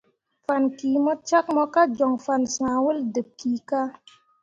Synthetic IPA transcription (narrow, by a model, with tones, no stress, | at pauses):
fa˨nkiː˨mə˦t͡ʃa˦k̚mɔ˦ka˦d͡ʒɔ˨ŋfa˨nsã˨wə˦ldə˨p̚kiː˨˦ka˦